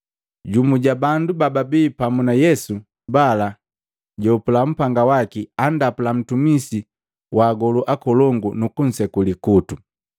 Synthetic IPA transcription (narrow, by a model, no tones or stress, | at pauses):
ɟumuɟabandubababiːpamunajɛsu | bala | ɟɔpulam̩paŋɡawakiandapulam̩tumisi | wʔaːɡɔluʔakɔlɔŋɡunukun̩sɛkulikutu